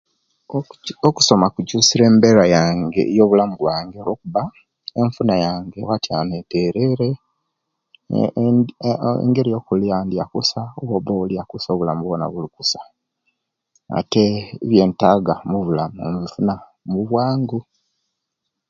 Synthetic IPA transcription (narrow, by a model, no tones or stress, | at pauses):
oku̥so̞makucuːsiɾe̞ːmbeɾajaːŋɡḛjo̞ːβulamuβwaːŋɡe̞lo̞ːkuβa | eɱfunajaːŋɡe̞watjaneteɾe̞ɾe̞ | ḛŋɡe̞ɾijo̞ːkulijaːndia̰kusaowoβoulijakusoːβulamuβona̰βulikusḁ | a̰teβje̞ːntaːɡamuβulamomfuna | muβwaːŋɡu